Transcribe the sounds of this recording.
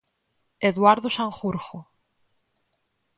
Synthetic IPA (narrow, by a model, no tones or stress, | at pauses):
eðwaɾðosaŋxuɾxo